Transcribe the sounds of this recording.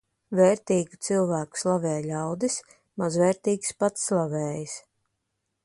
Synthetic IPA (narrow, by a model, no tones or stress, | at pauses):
vɛːɾt̪iːɡu̥t̪silˠvæːku̥slˠavɛːlʲawd̪is | mazvɛːɾt̪iːkspat̪slˠavɛːjis